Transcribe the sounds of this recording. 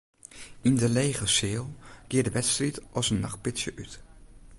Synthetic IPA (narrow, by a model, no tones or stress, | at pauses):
indəlejχəsɪːlˠkɪədəʋɛtstritʔɔsənːɑχt̚pɪsjəʔyt